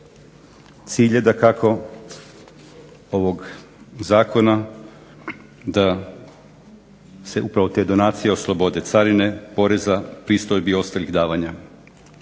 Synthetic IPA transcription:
t̪siːʎed̪akakʰo̞ | o̞ʋo̞ɡ | zaːkʰo̞na | d̪a | se̞ʔupɾaʋo̞t̪e̞ːd̪o̞naːt̪sijeoslˠo̞bo̞d̪et̪saɾine̞po̞ɾe̞zapɾist̪ojbio̞st̪aliɣd̪aːʋaɲa

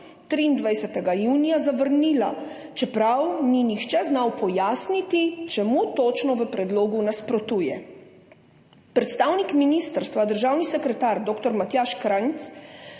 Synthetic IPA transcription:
t̪ɾiːnd̪ʋajsɛt̪ɛɡajuːnijazaʋəɾniːla | t͡ʃɛpɾawninixt͡ʃɛznawpɔjaːsnit̪it͡ʃɛmut̪oːt͡ʃnɔʋəpɾɛd̪loːɡunaspɾɔt̪uːjɛ | pɾɛt̪st̪aːwnikminist̪əɾst̪ʋad̪əɾʒaːwnisɛkɾɛt̪aːɾd̪oːkt̪ɔɾmat̪jaːʃkɾant̪s

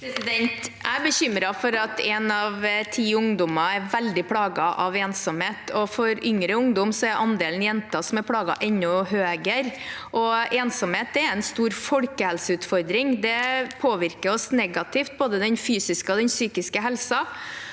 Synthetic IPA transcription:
pʰɾɛsɪd̪ɛnt̪ʔæbəɕʏmɾɑfɔɾɑt̪ɛnɑʋt̪ʰiːʊŋd̪ʊmɑæɾʋæld̪ɪpʰɽɑːɡɑʔɑʋeːnsɔmheːt̪ʰɔfɔɾʏŋɾəʊŋd̪ɔmsɔæɾʔɑnd̪eːlənjɛnt̪ɑsɔmɛɾpʰɽɑːɡɑ̰ʔɛnːɔɦøːɡəɾʔɔeːnsɔmheːt̪̚ɛɾɛnst̪uːɾfɔɽkəhɛlsəʉːt̪fɔɾd̪ɾɪŋd̪ɛpʰoːʋɪɾkəɾɔsnɛɡɑt̪ʰɪft̪̚boːd̪əd̪ɛnfyːsɪskəɔd̪ɛnsyːkɪskəɦɛlsɑ

